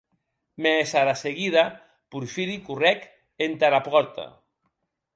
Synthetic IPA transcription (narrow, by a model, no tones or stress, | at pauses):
mesaɾaseɣiða | puɾfiɾikurɛk | ent̪aɾapɔɾt̪a̰